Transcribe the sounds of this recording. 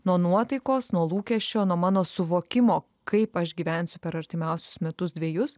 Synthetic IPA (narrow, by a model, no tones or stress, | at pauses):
nuɔnuɔt̪ɐɪkoːsnuɔlˠuːkʲɛʃʲt͡ʃʲoːnuɔmɑːnoːsʊʋoːkʲɪmoː | kɐɪpɐʃɡʲiːʋʲɛnʲsʲʊpʲɛɾɐɾʲt̪ʲɪmʲɛʊsʲʊ̥smʲɛt̪ʊsd̪ʲʋʲeːjʊs